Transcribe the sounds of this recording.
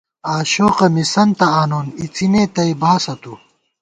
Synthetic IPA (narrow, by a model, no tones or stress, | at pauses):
aːɕoːqɐmisɐnt̪ɐaːnoːnit͡sʰineːt̪ɐibaːsɐt̪u